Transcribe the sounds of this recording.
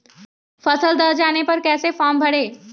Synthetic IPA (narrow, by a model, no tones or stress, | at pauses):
pʰəsəld̪əd͡ʒaːnepəɾkɛːsefʰɔmbʱəɽe